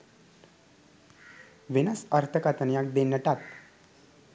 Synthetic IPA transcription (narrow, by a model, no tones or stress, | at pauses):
ʋinəsəɾt̪ʰəkat̪ənjak̚d̪enəʈat̪